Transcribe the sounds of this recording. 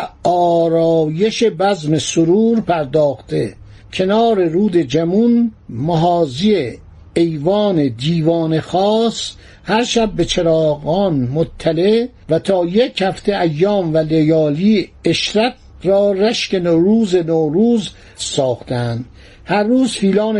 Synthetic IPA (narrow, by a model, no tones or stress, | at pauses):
ɒːɾɒːje̞ʃebæzme̞soɾuːɾpʰæɾd̪ɒːxt̪ʰe | kʰe̞nɒːɾe̞ɾuːd̪e̞d͡ʒæmunmoɦɒːzie | ejvɒːned̪iːvɒːnexɒːs | hæɾʃæb̚ːe̞t͡ʃʰeɾɒːɣɒːnmot̪ʰːæleʔ | væt̪ʰɒːjekhæft̪ʰeʔæjːɒːmvælejɒːliːeʃɾæt̪̚ | rɒːræʃkenoɾuːzenoːɾuːz | sɒːxt̪ʰeænd̪̥ | hæɾːuːzfiːlɒːn